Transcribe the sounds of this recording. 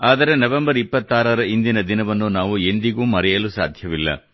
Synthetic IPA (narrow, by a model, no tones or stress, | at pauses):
aːd̪ɐɾe̞nɐʋembɐɾipːɐt̪ːaːɾɐɾɐind̪inɐd̪inɐʋɐnːunaːʋue̞nd̪iɡuːmɐɾɛjɐlusa̰ːd̪ʱjɐʋilːɐ̰